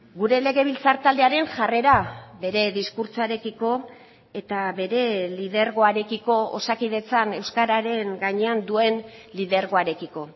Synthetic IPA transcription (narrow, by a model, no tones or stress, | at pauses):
ɡuɾe̞le̞ɣe̞β̞ilt͡saɾt̪ald̪e̞aɾe̞ŋʝare̞ɾaβe̞ɾe̞ðiskuɾt͡soaɾe̞kiko̞ | e̞t̪aβe̞ɾe̞lið̞e̞ɾɣo̞aɾe̞kiko̞o̰sakiðe̞t͡sane̞wskaɾaɾe̞ŋɡaɲe̞and̪ue̞nliðeɾɣo̞aɾe̞kiko̞